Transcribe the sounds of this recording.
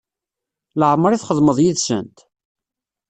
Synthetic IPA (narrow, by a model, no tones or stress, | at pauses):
ləʕəmːəɾˤiθχəðˤməðˤjiðsə̰nt̪